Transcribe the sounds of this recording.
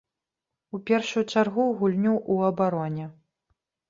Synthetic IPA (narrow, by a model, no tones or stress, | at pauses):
upʲɛrʂujut͡ʂarɣuɣulʲnʲuʔuɐbaɾɔnʲɛ